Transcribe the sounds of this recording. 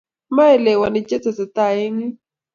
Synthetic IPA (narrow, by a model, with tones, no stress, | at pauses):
ma˦ɛ˨lɛ˨wa˨nɪ˨t͡ʃe˦t͡sa˨sɪ˨t̪a˦˨ɪ˦ŋi˦